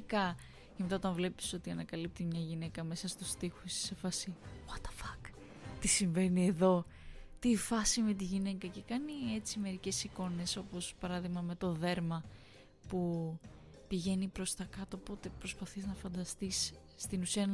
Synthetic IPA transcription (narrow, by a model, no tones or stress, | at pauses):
kɐ | ʝɐmet̪ɐo̞t̪ɐ̃nvle̞pi̥so̞t̪iɐnɐkɐlip̚t̪imɲɐʝine̞kɐme̞sɐst̪ust̪ixosi̥se̞fɐsiwɐt̪ɐ̥fɐk | t̪isiɱve̞nie̞ðo̞ | t̪ifɐsime̞t̪̬iʝine̞kɐce̞kɐnie̞t͡sime̞ɾice̞siko̞ne̞so̞po̞spɐɾɐðiɣmɐme̞t̪o̞ðe̞ɾmɐ | pu | piʝe̞nipɾo̞st̪ɐkɐt̪oːpo̞t̪e̞pɾo̞spɐθiznɐfɐnd̪ɐst̪isː | t̪inusiɐn